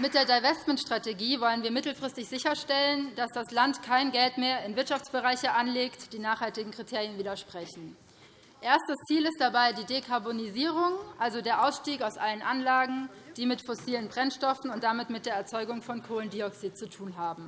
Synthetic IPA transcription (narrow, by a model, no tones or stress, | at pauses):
mɪt̚d̥eːɐdaɪvɛstmɛntʃtʁ̥ateɡiːvɔlənviːɐmɪtl̩fʁ̥ɪstɪçz̥ɪçɐʃtɛlənd̥asd̥aslantkʰaɪnɡɛltmeːɐɪnvɪɐtʃaft͡sb̥əʁaɪçəʔanleːktd̥iːnaːχhaltɪɡŋ̩kʁ̥itʰeːʁjənviːdɐʃpʁ̥ɛçn̩ | ʔeːɐstd̥ɐst͡siːlɪstd̥abaɪdiːdekʰaɐboniziːʁ̞ʊŋʔalzodeːɐʔaʊsʃtiːkaʊsʔalənʔanlaːɡŋ̩d̥iːmɪtfɔsiːlənbʁɛnʃtɔfn̩ʊnt̚d̥amɪtmɪt̚d̥eːɐɛɐt͡sɔʏɡʊŋfɔnkʰoːləndiːɔksiːtt͡sutʰuːnɦaːbm̩